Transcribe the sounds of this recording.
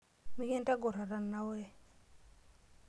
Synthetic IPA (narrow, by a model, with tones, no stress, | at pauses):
mi˦ke˦nta˦ɡo˨ɾa˨ɾa˨nːa˦we˦